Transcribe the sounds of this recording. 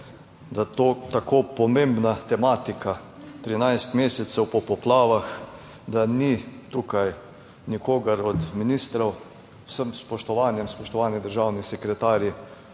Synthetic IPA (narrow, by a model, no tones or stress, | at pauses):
d̪at̪oːt̪akoːpɔmẽmbnat̪ɛmaːt̪ika | t̪ɾinajst̪meːsɛt̪sɛwpɔpɔplaːʋax | d̪anit̪ukaj | nikoːɡɐɾɔd̪minist̪ɾɐw | wsəmspɔʃt̪ɔʋaːnjɛmspɔʃt̪ɔʋaːnid̪əɾʒaːwnisɛkɾɛt̪aːɾji